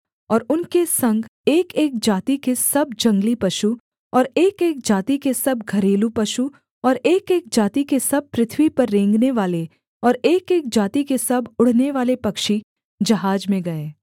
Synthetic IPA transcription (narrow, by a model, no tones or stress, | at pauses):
ɔːɾʊnkesɐ̃ŋɡeːkeːk̚d͡ʒaːt̪ikesɐbd͡ʒɐ̃ŋɡlipɐʃu | ɔːɾeːkeːk̚d͡ʒaːt̪ikesɐbɡʱɐɾeːlupɐʃu | ɔːɾeːkeːk̚d͡ʒaːt̪ikesɐb̚pːɾɪt̪ʰwipɐɾːẽːŋɡneʋaːle | ɔːɾeːkeːk̚d͡ʒaːt̪ikesɐbʱʊɽ̤neʋaːlepɐkʃi | d͡ʒɐɦaːd͡ʒmẽɡɐeː